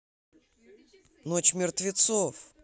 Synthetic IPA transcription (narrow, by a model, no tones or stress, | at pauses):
not͡ɕmʲɪrt̪vʲɪt̪sof